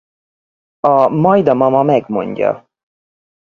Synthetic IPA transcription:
ɒmɒjd̪ɒmɒmɒmɛɡmo̞̰ɲɟɒ̰

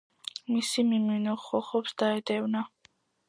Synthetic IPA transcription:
misimiminɔχɔχɔpsd̪aɛd̪ɛvna

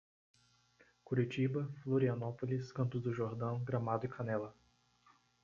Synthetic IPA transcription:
kuɾit͡ʃibɐfloɾiɐnɔpoliskɐ̃nt̪ʊzd̪ʊʒoɾd̪ɐ̃w̃ɡɾɐmad̪ʊɪkʰanɛlɐ

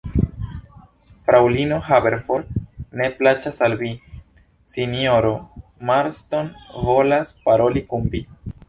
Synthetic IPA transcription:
fɾawlino̞ɦabe̞ɾfo̞ɾne̞plat͡ʃasalvi | sinjoɾo̞maɾsto̞nvo̞laspaɾo̞likunbi

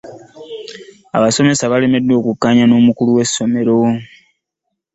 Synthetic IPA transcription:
a̰βaso̞me̞saβale̞me̞dːwo̞ːkukːaɲano̞ːmukuluwe̞sːo̞me̞ɾo̞

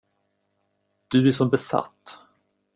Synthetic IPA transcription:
d̪̥ɵæʂɔmbɛsa̰t̪ː

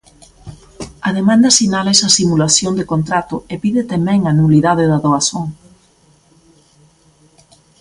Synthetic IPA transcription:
ɐðemãnd̪ɐsinalɛsɐsimulaθjond̪ekont̪ɾat̪oepiðɪt̪emɛ̃ŋanuliðaðeðɐðoaθoŋ

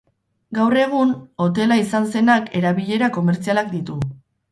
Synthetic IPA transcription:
ɡawre̞ɣ̞uno̞t̪̬e̞laisanse̞nake̞ɾaβiʎe̞ɾako̞me̞ɾt͡sialak̚d̪it̪u

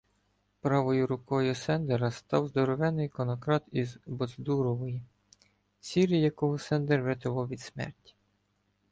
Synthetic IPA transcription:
pɾɑʋɔjʊɾʊkɔjʊsɛnd̪eɾɐst̪ɑwzd̪ɔɾɔʋɛnɪjkɔnɔkɾɑt̪izbɔzd̪uɾɔʋɔji | t͡sʲiɾijɐkɔɦɔsɛnd̪erʋet̪ɪʋɔwʋʲid̪smɛ̰rtʲi̥

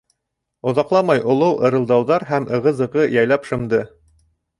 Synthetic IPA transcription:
ŏðɑqlˠɑmɑjʔŏlˠɤwʔɤ̆ɾɤ̆lˠd̪ɑwðɑɾɦæmʔɤ̆ʁɤ̆zɤ̆ʁɤjæjlˠɑpʃɤ̆md̪ɤ

